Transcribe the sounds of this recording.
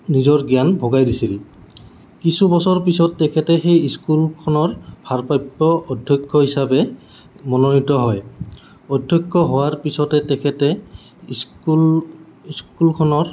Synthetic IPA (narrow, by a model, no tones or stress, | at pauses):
nizɔɹɡjanbʱɔɡajdisili | kisubɔsɔɹpisɔtːɛkʰɛtɛxejiskulkʰɔnɔɹbʱaɹpajpːɔɔdʱjɔkʰːɔɦisabɛ | mɔnɔnitɔɦɔj | ɔdʱjɔkːɔɦowaɹpisɔtɛtɛkʰɛtɛ | ul | iskulkʰɔnɔɹ